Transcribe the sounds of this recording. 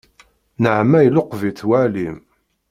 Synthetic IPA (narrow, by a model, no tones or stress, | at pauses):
nəʕmæjloqːviθwælim